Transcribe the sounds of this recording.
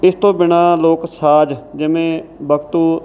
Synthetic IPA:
ɪst̪õːbɪɳaːloːksaːd͡ʒd͡ʒɪmẽːbəkt̪uː

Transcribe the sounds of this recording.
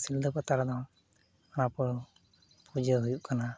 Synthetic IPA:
sild̪əpat̪aɾd̪am | anapɔ | pud͡ʒəɦujuʔkana

